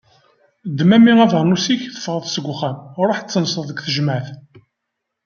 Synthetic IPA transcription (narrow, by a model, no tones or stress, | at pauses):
d̪ːmæmiʁævəɾˤnusiçθə̥fʁəðˤsəɡʷχæmɾˤoħt͡sːənsˤəðˤəɡθəʒmæθ